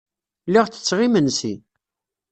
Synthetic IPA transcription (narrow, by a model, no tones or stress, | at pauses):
liʁt͡sə̥t͡sːʁimənsḭ